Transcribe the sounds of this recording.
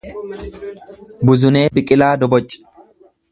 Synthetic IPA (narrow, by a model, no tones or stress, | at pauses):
bʊzʊneːbɪkʼɪlaːd̪ɔbɔt͡ʃʼːɪ̥